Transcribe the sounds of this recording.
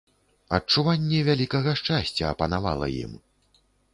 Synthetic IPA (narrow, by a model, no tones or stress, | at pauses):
ɐt͡ʂuvanʲːɛvʲalʲikɐɣɐʂt͡ʂasʲt͡sʲɐːpɐnava̰lˠɐ̰jḭm